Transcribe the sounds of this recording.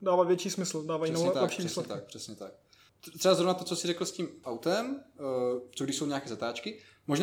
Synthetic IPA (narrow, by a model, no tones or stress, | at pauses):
daːvaːvjɛt͡ʃiːsmɪsl̩daːvajɛt̪alɛpʃiːvislɛt̪ak̚pr̥ɛsɲɛt̪ak̚ | t̪r̥ɛbazɾo̞vnat̪ot͡sosɪrɛkl̩sciːmʔawt̪ɛm | t͡soɡdɪʃsowɲɛaːkɛːzat̪aːt͡ʃkɪmoʒn